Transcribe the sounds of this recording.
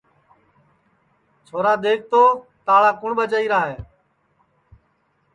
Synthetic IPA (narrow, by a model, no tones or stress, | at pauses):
t͡ʃʰoːɾaːd̪eːk̚ʰt̪oːt̪aːɭaːkʊɳɓət͡ʃaːiːɾaːɦeː